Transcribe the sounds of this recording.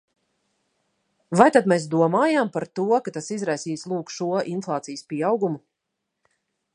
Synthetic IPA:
vajt̪ad̪mes̬d̪uɔmaːjampaɾt̪uɔkat̪asizɾajsiːslˠuːkʃuɔʔinflˠaːt̪sijəspiɛawɡumu

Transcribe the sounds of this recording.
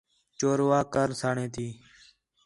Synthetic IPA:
t͡ʃoːɾʋaːkəɾsaːɳẽːt̪ʰiː

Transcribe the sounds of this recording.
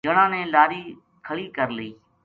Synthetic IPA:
əɽãːnẽːlaːɾiː | kʰəɭiːkəɾləiː

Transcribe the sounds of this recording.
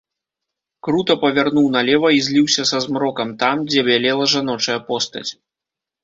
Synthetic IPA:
kɾut̪ɐpɐvʲarnuwnɐlʲɛvɐizʲlʲiwsʲɐsɐzmɾɔkɐmt̪amd͡zʲɛbʲalʲɛlˠɐʐanɔt͡ʂɐjɐpɔst̪ɐ̰t͡sʲ

